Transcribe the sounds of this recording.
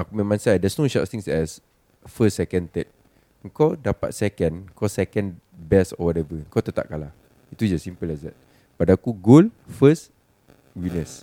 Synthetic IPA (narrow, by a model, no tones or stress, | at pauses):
akumɛ̃mãnsadɛsnoʃɔt̚t̪ĩŋsɛɛs | fəsːɛkə̃nt̪ət̪̚ | ŋ̩kawdapa̰t̪̚sɛkə̃n̩kɔsɛkə̃n | bɛsɔ̰wɔtɛvəŋkat̪ət̪a̰ʔ̚kalah | it̪ud͡ʒassĩmpəlɛsdɛt̚ | padakuɡolfəs | winəs